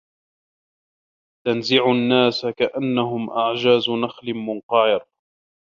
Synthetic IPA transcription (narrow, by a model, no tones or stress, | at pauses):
t̪anzɪʕʊnːaːsakaʔanːaɦʊmʔaʕd͡ʒaːznaxlɪmʊnqɑʕɪɾ